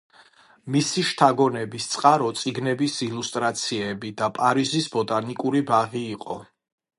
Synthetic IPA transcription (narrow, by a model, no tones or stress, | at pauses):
misiʃt̪ʰaɡɔnɛbist̪sʼqʼaɾɔt̪sʼiɡnɛbisilust̪ʼɾat̪sʰiɛbid̪apʼaɾizisbɔt̪ʼanikʼuɾibaʁiːqʼɔ̰